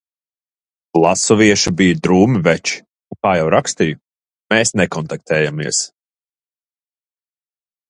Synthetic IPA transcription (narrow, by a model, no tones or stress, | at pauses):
blˠasɔviɛʃubijd̪ɾuːmivɛt͡ʃi̥ | uŋkaːjawɾakst̪iju | mɛːsnɛkɔnt̪ak̚t̪ɛːjamiɛs